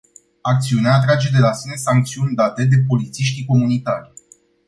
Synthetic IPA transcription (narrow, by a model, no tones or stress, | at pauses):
ak̚t̪siuneaːt̪ɾad͡ʒe̞d̪e̞lasine̞saŋk̚t̪siunʲd̪at̪e̞d̪e̞po̞lit̪siʃt̪iko̞munit̪arʲ